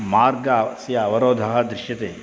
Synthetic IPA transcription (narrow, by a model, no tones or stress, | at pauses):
maːɾɡɐsjaʋɐɾoːd̪ʱɐɦɐd̪ɾɪʃjɐt̪eː